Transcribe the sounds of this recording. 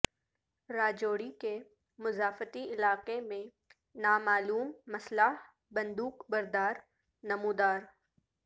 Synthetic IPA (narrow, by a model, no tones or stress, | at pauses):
ɾaːd͡ʒoːɽike | mʊzaːfət̪iɪlaːqemẽ | naːmaːluːmːɐslaɦ | bɐ̃nd̪uːqbɐɾd̪aːɾ | nɐmuːd̪aːɾ